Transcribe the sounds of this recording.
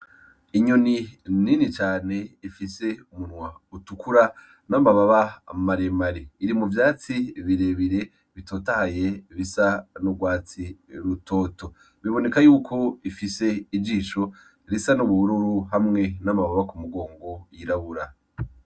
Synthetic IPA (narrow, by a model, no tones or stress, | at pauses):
iɲonininit͡ʃaːne̞ifise̞umunŋwautukʰuɾa | namaβaβamaɾemaɾiiɾimuvjaːt͡siβiɾe̞βiɾe̞ | βito̞ːtahaje̞βisanuɡwaːt͡siɾuto̞ːto̞ | βiβo̞ne̞kajuːkʰo̞ifise̞id͡ʒiːʃo | ɾisanuβuuɾuɾuɦamŋe̞namaβaβakumuɡo̞ːŋɡo̞jiɾaβuɾa